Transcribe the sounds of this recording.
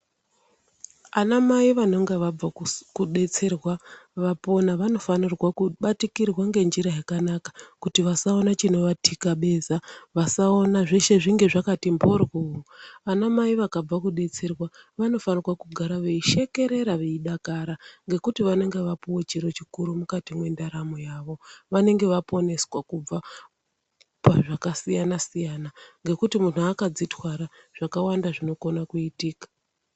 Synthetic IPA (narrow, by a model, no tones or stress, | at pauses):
anamaiʋano̞ŋɡeʋab͡vakuɗe̞t͡se̞rwaʋapo̞naʋano̞fanirwakuɓatikirwaŋɡe̞nd͡ʒiɾajakanakḁkutiʋasaonat͡ʃino̞ʋatʰikaɓe̞ːzaʋasao̞naʐeʃe̞ʐiŋɡe̞ʐakatimbo̞rɣuuanamaiʋakab͡vakuɗe̞t͡se̞rwaʋano̞fanirwakuɡʱaɾaʋe̞iʃe̞ke̞ɾe̞ɾaʋe̞iɗakaɾaŋɡe̞kutiʋane̞ŋɡe̞ʋapuwot͡ʃiɾo̞t͡ʃikuɾumukatimwe̞ndaɾamo̞jaːʋo̞ʋane̞ŋɡe̞ʋapo̞ne̞swakub͡va | paʐakasijanasijanaŋɡe̞kutimun̤uakad͡zitwaɾaʐ̥akawandaʐino̞ko̞nakuitiːkḁ